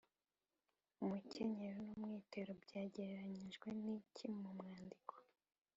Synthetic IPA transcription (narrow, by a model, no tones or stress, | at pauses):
umucʰeɲeɾonumŋiːteɾobɟaːɟe̞ɾeɾaɲiʒɡwe̞nicʰimumŋaːndikʰo̥